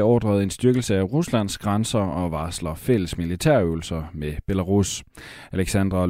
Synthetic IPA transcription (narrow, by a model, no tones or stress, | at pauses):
ɒːd̥ʁɐð̞̩ˠe̝nsd̥yɐɡ̥l̩səæʁuslæn̰sɡ̥ʁansɐɒ̽ʋɑ̈ːslɐfel̰əsmilit͡sʰæɐ̰øʊl̩sɐmeb̥e̝læʁus | æleɡ̥sænd̥ʁɐ